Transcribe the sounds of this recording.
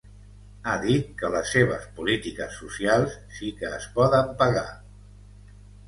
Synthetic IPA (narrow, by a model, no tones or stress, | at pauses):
aðit̪̚kələsːeβ̞əspulit̪ikəsːusialˠsːikəːspɔðəmpəɣa